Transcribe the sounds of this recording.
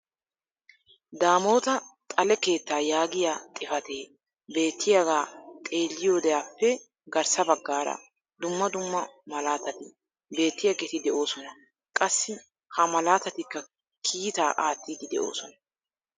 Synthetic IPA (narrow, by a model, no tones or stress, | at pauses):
d̪aːmo̞ːt̪ɐt̪ʼɐlɛke̞ːt̪ːaːjaːɡɪjaːt̪ʼɪfɐt̪eː | be̞ːt̪ʰːɪjaɡaːt̪ʼe̞ːlːɪjo̞ːd̪ɛjaːpːɛ | ɡɐɾsɐbɐɡːaːɾɐ̰ | d̪ʊmːɐd̪ʊmːɐmɐlaːt̪ɐt̪ɪ | be̞ːt̪ːɪjɐɡɛt̪ɪd̪ɛʔo̞ːsɔnɐ | kʼɐsːɪ | hɐmɐlaːt̪ɐt̪ɪkːɐ | kʰiːt̪aːʔaːt̪ːiːd̪ɪd̪ɛ̰ʔo̞̰ːsɔnɐ